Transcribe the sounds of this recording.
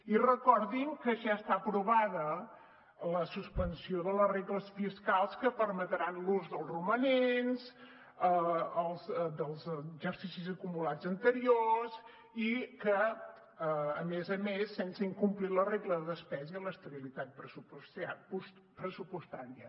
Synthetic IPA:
irəkɔɾðiŋkəʒaəst̪apɾuβaðə | ləsuspənsioðələreɣləsfiskalˠskəpəɾmət̪ɾanluzðəlˠrumənenz | əəlˠzd̪əlˠzʒəɾsisizəkumulad͡zənt̪əɾioz | ikə | mezəmesːensəiŋkumpliləreɣləðəðəspɛzələst̪əβilit̪at̪̚pɾəsupsapus | pɾəsupust̪aɾiə

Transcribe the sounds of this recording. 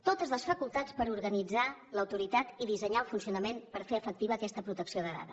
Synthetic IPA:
t̪ot̪əzðləsfəkulˠt̪at͡spəɾuɾɣənid͡zaləwt̪uɾit̪at̪iðizəɲaəlˠfunsiunəmenpəɾfeəfək̚t̪iβəːkɛst̪əpɾut̪əksioðəða̰ðə

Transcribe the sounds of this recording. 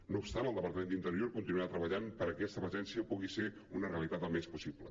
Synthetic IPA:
noupst̪anəlˠd̪əpəɾt̪əmend̪int̪əɾjoɾkunt̪inuat̪ɾəβəʎanpəɾəkɛst̪əβəʒɛnsiəpuɣise | unəreəlit̪at̪əlˠmɛspusiblə̰

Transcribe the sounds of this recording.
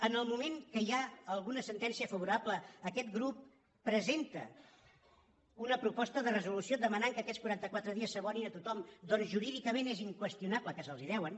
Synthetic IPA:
ənəlˠmumeŋkəiaəlˠɣunəsənt̪ɛnsiəfəβuɾapləəkɛt̪ɡɾupː | ɾəzent̪ə̰ | unəpɾupɔst̪əðərəzulusiod̪əmənaŋkəːkɛt̪skuɾant̪əkwat̪ɾəðiəsːəβɔninət̪ut̪ɔmd̪ɔnzʒuɾiðikəmeneziŋkwəst̪ijunapləkəsəlˠziðɛwən

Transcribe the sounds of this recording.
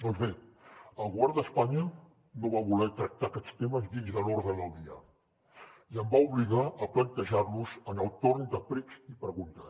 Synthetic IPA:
d̪ɔnzβeəlˠɣuβɛɾd̪əspaɲə | noβaβulɛt̪ɾək̚t̪akɛt͡st̪eməzðinzðəloɾðəðəlˠd̪iə | iəmbauβliɣaʔəplənt̪əʒarluzənəlˠt̪oɾnd̪əpɾɛzipɾəɣunt̪ə

